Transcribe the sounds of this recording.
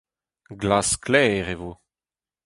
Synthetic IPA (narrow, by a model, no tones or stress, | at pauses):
ɡlasklɛːʁevo